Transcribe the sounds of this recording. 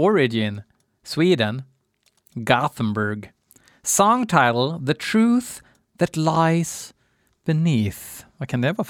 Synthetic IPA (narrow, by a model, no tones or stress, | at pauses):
əɹɪd͡ʒɨ̃n | swidⁿn̩ | ɡɑθn̩bə˞ɡ | sɔ̃ŋtʰaɪɾl̩ˠðɨtʰɹ̥ʉθ | ðɨtˡlaɪz̥ | b̥ɨniθakʰɨ̃nɛvə